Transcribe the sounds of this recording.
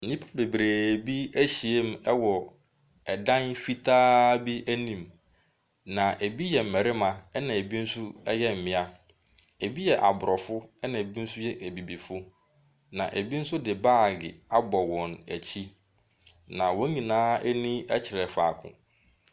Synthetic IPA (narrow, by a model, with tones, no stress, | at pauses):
n̩˨ĩ˦pʰḁ˦be˨bɾe˨bi˦æ˦ɕi˨e˦m̩˦ɛ˦wɔ˨ | ɛ˨dã˦nfi˦tʰaː˦bi˦æ˦nĩ˨m | nã˨ʔe˨bi˦jɛ˨m̩˨mɛ˨ɾɪ˦mã˨ɛ˦nã˨e˨bi˦n̩˦sʊ˦ɛ˦jɛ˦m̩˨mɪ̃˨a˦ | e˨bi˦jɛ˨ʔa˨bʊ˨ɾɔ˨fʊ˦ɛ˦nã˨e˨bi˦n̩˦sʊ˦jɛ˦ʔæ˨bi˨bi˨fʊ˦ | nã̰˨ʔe˨bi˦n̩˦sʊ˦dɪ˨baː˦˨ɡɪ̰˨a˦bɔ˨wɔ̃˨næ̰˨t͡ɕʰi˦ | nã˨wɔ̃˦ɲĩ˨nãː˦ʔɛ˦nĩ˦ɛ˦t͡ɕʰɪ˨ɾɛ˨fa̰ː˨kʰʊ̰̃˨